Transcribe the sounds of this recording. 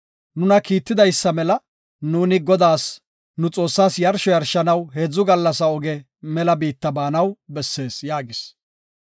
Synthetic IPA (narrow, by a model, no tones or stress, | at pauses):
nʊnɐkiːt̪ːɪd̪ɐjsːɐmɛlɐ | nuːnɪɡɔd̪aːs | nʊt͡sʼo̞ːsːaːsjɐɾʃɔjɐɾʃɐnɐwɦeːd͡zːʊɡɐlːɐsɐɔɡɛ | mɛlɐbiːt̪ːɐbaːnɐwbɛsːe̞ːsjaːɡɪs